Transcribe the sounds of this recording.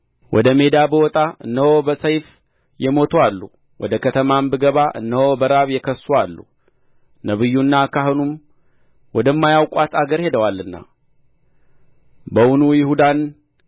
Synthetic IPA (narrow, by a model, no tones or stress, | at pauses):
wʔɔd̪əme̞d̪abəwɔt̪ʼaɨnːəhobəsəjf | jɛmo̞t̪ʰoalːu | wʔɔ̰d̪əkʰət̪ʰəmambɨɡəβaʔɨ̰nːəhobəɾaβjɛkʰəswalːṵ | nəβɨjːunːakʰaɦɨnum | wɔd̪əmːajawkʷʼat̪ʰaɡəɾhe̞d̪əwalːɨnːa̰ | bəwunujɪhud̪an